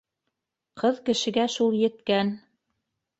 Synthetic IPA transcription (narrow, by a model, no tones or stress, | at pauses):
qʰɤðkɘ̆ʃɘ̆ɡæʃulˠjɘ̆t̪kæn